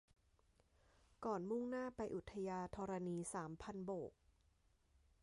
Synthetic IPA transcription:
kɔː˨˩nmu˥˩ŋnaː˥˩pa˧jʔu˨˩t̪ʰːa˧jaː˧t̪ʰɔː˧ɾa˧niː˧saː˩˦mpʰa˧nboː˨˩k̚

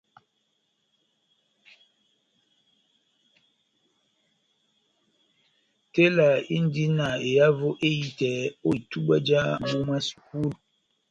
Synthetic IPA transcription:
te˦la˨i˦n˦di˦na˨e˨ja˦vo˦ʔe˦i˦tɛ˨˦o˦˨i˨tu˦ɓə˦d͡ʒa˦ɓu˦mɛ˦sku˦˨l

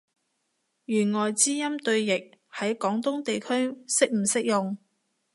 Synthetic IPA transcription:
jyː˨˩nŋɔː˨˩jt͡siː˥jɐ˥mt̪ɵ˧ɥjɪ˨k̚hɐ˨˥jkɔː˨˥ŋt̪ʊ˥ŋt̪e˨jkʰɵ˥ɥsɪ˥k̚m̩˨˩sɪ˥k̚jʊ˨ŋ

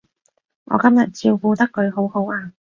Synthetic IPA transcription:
ŋɔ̰ː˨˧kɐ˥mjɐ˨t̚t͡si˧wkuː˧t̪ɐ˥kːɵ˨˧ɥɦo˨˥who˨˥waː˧

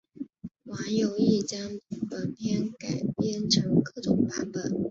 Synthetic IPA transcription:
wa˧˥njo˨˩ʊi˥˩t͡ɕjɑ˥ŋpə˨˩npʰjɛ˥˩nka˨˩ɪpjɛ˥˩nʈ͡ʂʰɤ˧˥ŋkɤ˥˩ʈ͡ʂʊ˨˩ŋpa˥npə˨˩˦n

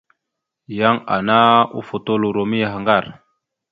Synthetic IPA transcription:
ja˦ŋa̰˨na˦ṵ˦fo˨to˦lu˨ɾo˨mi˦ja˨ɦa˨ŋɡa˦˨ɾ

